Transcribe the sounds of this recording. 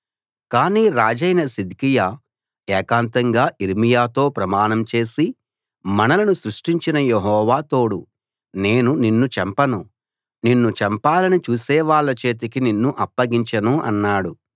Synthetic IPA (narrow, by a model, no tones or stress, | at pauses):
kaːniːɾaːd͡ʒɐjnɐsid̪kijaː | ɛːkaːnt̪ɐŋɡaːʔiɾimijaːt̪o̞ːpɾɐmaːnɐmt͡ʃe̞ːsi | mɐnɐlɐnusɾuʂʈiɲt͡ʃinɐjeɦɔːʋaːt̪o̞ːɽu | ne̞ːnuninːut͡ʃɛmpɐnu | ninːut͡ʃɛmpaːlɐnit͡ʃuːsɛːʋaːɭːɐt͡ʃe̞ːt̪̬ikininːuʔɐpːɐɡiɲt͡ʃɐnuɐ̰nːaːɽu